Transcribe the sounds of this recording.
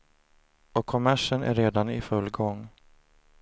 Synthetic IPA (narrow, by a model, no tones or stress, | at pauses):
ɔkʰːɔmæʂənæ̰ɾːeːd̪anɪfɵlːɡɔŋː